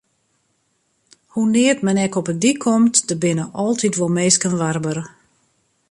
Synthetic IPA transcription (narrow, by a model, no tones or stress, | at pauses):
hunɪːətmɛnɛkɔpədikʰɔmtdəbɪnəʔɔlˠtʰitʋolˠmeːskənʋarbər